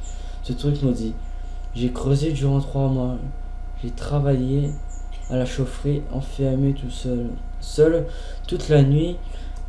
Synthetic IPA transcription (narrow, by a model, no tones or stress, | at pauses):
sət̪χykməd̪i | ʒekχøzed̪yʁɑ̃t̪χwamwa | ʒet̪χavaje | alaʃofχiɑ̰̃fɛʁmet̪usœl | sœl | t̪ut̪lanɥi